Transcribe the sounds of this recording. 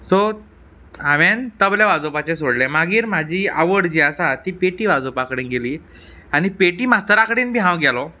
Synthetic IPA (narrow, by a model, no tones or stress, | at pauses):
sɔ | ɦaʋent̪əbljaʋad͡zopat͡ɕesoɽlɛmaɡiːɾm̤ad͡ʑiːə̰ʋəɽd͡ʑiːəsat̪iːpeʈiːʋad͡zopakəɽeːnɡeliː | aɽ̃ipeʈiːmast̪əɾakəɽiːnbʱiɦãwɡɛlɔ